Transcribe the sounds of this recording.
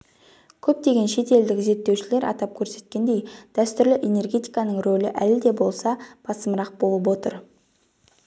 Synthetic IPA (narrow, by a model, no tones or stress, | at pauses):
kʲʰɵp̚t̪e̞ɡʲe̞nʃe̞t̪e̞ld̪ɪkze̞t̪ːewʃɪle̞ɾʔɑ̰t̪ɑp̚kʲʰɵɾse̞t̪̚kʲe̞nd̪e̞jd̪̥æst̪ʏɾlɪʔe̞ne̞rɡʲe̞t̪ijkɑnəɴrolɪʔælɪd̪e̞bo̞lˠsɑb̥ɑsəməɾɑq̚bo̞lˠəp̬wo̞t̪əɾ